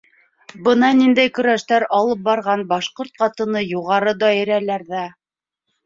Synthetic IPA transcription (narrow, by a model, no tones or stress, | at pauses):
bɤnɑnind̪æjkɵ̆ɾæʃt̪æɾɑlˠɤp̚bɑɾʁɑnbɑʃqoɾt̪̚qɑt̪ɤ̆nɤjuʁɑɾɤd̪ɒĭɾælæɾðæ